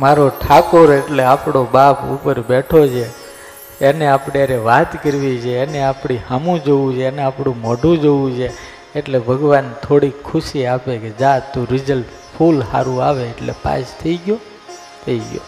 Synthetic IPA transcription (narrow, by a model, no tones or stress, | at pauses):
maɾoʈʰakoɾeʈleapɽ̃obapṵpəɾbeʈʰot͡ʃʰe | eneapɽeaɾeʋat̪kəɾʋid͡ʒʰeːneapɽ̃ihamũd͡ʒoũd͡ʒʰeeneapɽ̃ũmɔɖʱũd͡ʒoũd͡ʒʰe | eʈlebʱəɡʋant̪ʰoɽikʰːʊʃiapeked͡ʒat̪ũɾɪd͡ʒəlp | pʰulha̰ɾũaʋeːʈlepa̰t͡ʃt̪ʰəiɡjo | t̪ʰəiɡjo̰